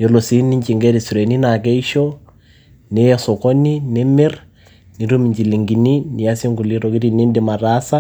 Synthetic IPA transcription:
jɔ˨lo˨si˦nɪ˦ɲt͡ʃɪ˨ŋɡɛ˦ɾi˨sɾe˨ni˦na˨k̬ɛ˦i˦ʃo˦ | ne˦ɛsɔ˨kɔ˦ni˦nɪ˦mɪ˦r | ni˨ɾu˦mi˨ɲt͡ʃi˨li˨ŋɡi˨ni˦nɪ˨a˦si˦ŋɡʊ˨li˦ɾo˨ki˦ɾi˨nɪ˦ndɪ˨ma˨ɾa˦sa˦

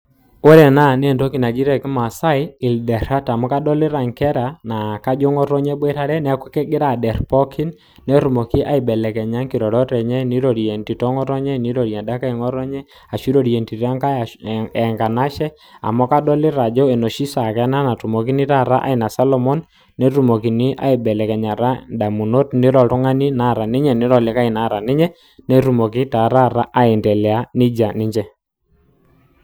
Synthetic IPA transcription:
o˦ɾɛ˨na˦ne˦˨ndo˦ki˨na˨d͡ʒi˦ɾɛ˨ki˦ma˨sa˦i˦i˨ldɛ˨ɾa˦ta˨mɔ˦ka˦dɔ˦lɪ˦ɾa˨ŋkɛ˦ɾa˨na˨ka˦d͡ʒɔ˦ŋɔ˦ɾɔ˦ɲɛ˦bwɛ˦ta˦ɾɛ˦nɛ˦a˦ku˦kɛ˦ɡɪ˦ɾa˨dɛ˨ɾpɔ˦kʰi˦nː | ɛ˦tu˨mɔ˨ki˦ʔa̰˦i˨bɛ˨lɛ˨kɛ˨ɲa˦ŋki˨ɾɔ˨ɾɔ˦tɛ˨ɲɛ˦˨ni˦ɾɔ˨ɾjɛ˨nti˨tɔ˦ŋɔ˦ɾɔ˦ɲɛ˦˨ni˦ɾɔ˨ɾja˨nda˦ka˦i˨ŋɔ˦ɾɔ˦ɲɛ˦ | a˨ʃi˦ɾo˨ɾjɛ˨nti˨ɾa˦ŋka˦˨ɛ˨ŋɡa˨na˦ʃɛ˦ | a̰˨mɔ˦ka˦dɔ˦lɪ˦ɾa˨d͡ʒɔ˦ɛ˨nɔ˨ʃi˦sa˨kɛ˨a˦na˦na˨tu˨mo˨k̬i˦nɪ˦ta˦˨ɾa˦ʔa̰˦ɪ˨na˨sa˦lɔ˦mɔ˦nː | e˦ɾu˨mo˨ki˨nɪ˦ʔa̰˨ɪ˨bɛ˨lɛ˨kɛ˨ɲa˨ɾa˦da˨mu˨no˦tnɪ˦ɾɔ˨tʊ˦ŋa˦ni˦na˦˨ɾa˨nɪ˦ɲɛ˨nɪ˦ɾɔ˨lɪ˨˦ka˦ɪ˨na˦˨ɾa˨nɪ˦ɲɛ˦ | ne˦ɾu˨mo˨kɪ˦ta˨ɾa˦˨ɾa˦ʔa˦ɪ˨ntɛ˨lɛ˨a˦nɪ˦d͡ʒa˨nɪ˦ɲd͡ʒɛ˦

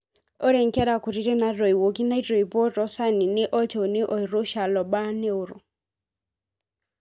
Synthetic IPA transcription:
ɔ˦ɾe˨ŋ˨kɛ˦ɾa˨ku˨ɾi˦ɾe˦na˦ɾɔ˨i˨wo˨ɡi˦na˦i˦ɾɔ˨i˨bɔ˦ɾɔ˦sa˦ni˨nɪ˦ʔɔ˦t͡ʃo˨nɪ˦ʔɔ˨i˨ɾo˦ʃa˨lɔ˨ba˦ne˦o˨ɾʊ̰˨

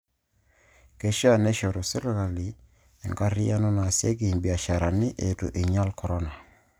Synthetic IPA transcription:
ke˨ʃa˦˨nɛ˦ʃo˨ɾo˨se˦lɣa˨li˨ | e˨ŋɡa˦ɾi˦a˦nɔ˦na˨sje˦ɡi˨mbi˨a˨ʃa˨ɾa˨nɪ˦ʔe˨tṵ˨ʔi˨ɲa˦lkɔ˨ɾɔ˦na˨

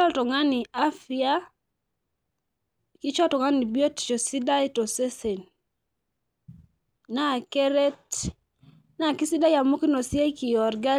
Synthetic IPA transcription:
ɔ˦ltɔ˨ŋa˦ni˨a˦fi˦a˦ | ki˦t͡ʃɔ˦tɔ˨ŋa˦ni˨bi˦ɔ˦tt͡ʃo˨si˦da˦i˦tɔ˨se˦se˨n | na˦˨ke˦ɾe˦t | na˨ki˦si˦da˦ja˨mo˦ki˦nɔ˨si˦a˦ki˨jɔ˨ɾɡa˦

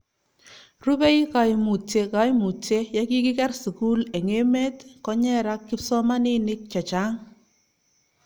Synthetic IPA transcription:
ru˦bɛ˦i˦ka˨jmu˨t͡ʃe˨ka˨jmu˨t͡ʃe˦ja˦ki˦kɪ˦kɛ˦rsu˨ku˦lɛ˨ŋe˦me˦tkɔ˦ɲɛ˦ɾa˦kːɪ˦psɔ˦ma˦ni˦nɪ˦k̚t͡ʃa˨t͡ʃa˦ŋ

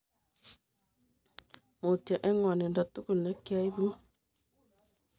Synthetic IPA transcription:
mo˨tja˨ʔɛ˦ŋwa˨nɛ˨nda˨tu˦ku˨na˦kja˦i˦βu˦

